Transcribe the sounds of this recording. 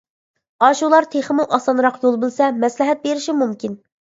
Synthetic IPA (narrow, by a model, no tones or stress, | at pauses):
ɑʃulˠɑɾt̪ʰeχəmuʔɑsɑnɾɑqjolˠbɨlˠsɛmɛslɪɦɛt̪̚beɾɪʃimumkʲin